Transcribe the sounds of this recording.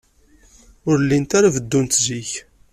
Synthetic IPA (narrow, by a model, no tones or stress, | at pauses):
ʊɾlːint̪aɾavəd̪ːunt̪ziç